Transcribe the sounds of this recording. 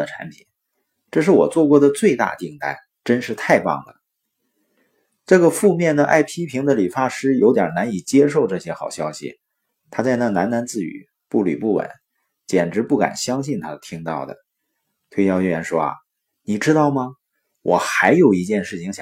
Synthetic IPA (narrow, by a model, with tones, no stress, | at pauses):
ə˩ʈ͡ʂʰa̰˧˥npʰi̥˨˩˦n | ʈ͡ʂɤ˥˧ʂ̬ɻ̩˥˩wɔ̰˨˩t͡swɔ˥˧kwɔ˥˩d̪ə˩t͡swe˥˧ɪt̪a̰˥˧t̪i˥˧ŋt̪a̰˥˩ɪ | ʈ͡ʂə˥nʂɻ̩˥˧t̪ʰa˥˧ɪpɑ̰˥˩ŋd̪ə̰˩ | ʈ͡ʂɤ˥˩ɡə˩fu˥˧mjɛ˥˩nd̪ə˩ʔa̰˥˩ɪpʰi˥pʰi˧˥ŋd̪ə˧li˨˩fa˥ʂɻ̩˥jo˧˥ʊt̪jɑ̰˨˩na˧˥ni˨˩t͡ɕjɛ˥ʂ̬o˥˧ʊʈ͡ʂɤ˥˩ɕjɛ˥xɑ˨˩ʊɕjɑ˥ʊɕḭ˨˩ | t̪ʰa˥t͡sa˥˧ɪna˥˩na˧˥nna˧˥nt͡sɹ̩˥˩y̰˨˩˦ | pu˥˩ly̰˨˩pu˥˩wə̰˨˧˩n | t͡ɕjɛ˨˩nʈ͡ʂɻ̩˧˥pu˥˩ka̰˨˩nɕjɑ˥ŋɕi˥˩nt̪ʰa˥t̪ʰi˥ŋt̪ɑ˥˩ʊd̪ə̰˩ | t̪ʰwe˥ɪjɑ˥˧ʊɛ˥˩jɛ˧˥nʂwɔ˥ɐ̰˩ | ni˨˩ʈ͡ʂɻ̩˥t̪ɑ˥˩ʊmɐ˩ | wʔɔ˨˩xa˧˥ɪjo˨˩ʊi˧˥t͡ɕjɛ˥˧nʂɻ̩˥˩t͡ɕʰi˧˥ŋɕ